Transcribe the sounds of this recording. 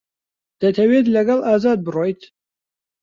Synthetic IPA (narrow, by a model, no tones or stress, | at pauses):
d̪̥ɐt̪ʰɐwed̪lɐɡɐlaːzaːd̪̚bɨrojt̪ʰ